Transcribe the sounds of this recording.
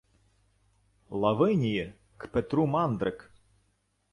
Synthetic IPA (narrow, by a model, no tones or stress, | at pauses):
lˠɐʋɪnʲiji | kpɛt̪ɾumɑnd̪ɾɪk